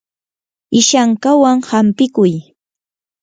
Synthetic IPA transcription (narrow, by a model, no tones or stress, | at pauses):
ɪʃaŋkawaŋhampɪkʊj